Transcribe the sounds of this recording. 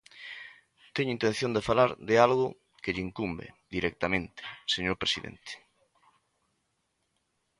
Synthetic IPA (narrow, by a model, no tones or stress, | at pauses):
t̪ɛɲʊint̪ẽn̟θjõnd̪efalaɾðɪalɣʊ | kɪʎɪːŋkumbḛðiɾɛk̚t̪amẽnt̪ɪ̥seɲoɾpɾesiðḛnt̪e̥